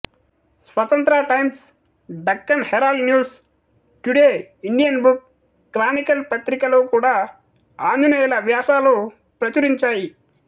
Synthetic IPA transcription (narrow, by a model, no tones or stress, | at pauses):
sʋɐt̪ɐnt̪ɾaʈɐjms | ɖɐkːɐnhɛɾaːlnjuːs | ʈuɽeːiɳɖijɐnbukː | ɾaːnikɐlpɐt̪ɾikɐloːkuːɽaː | aːnd̪unɐjɐlɐʋjaːʃaːloː | pɾɐt͡ʃɐɾiɲt͡ʃaːji